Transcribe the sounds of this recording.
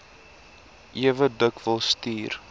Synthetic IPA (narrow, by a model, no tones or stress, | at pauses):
ʔiəvədəkvəlˠstiːr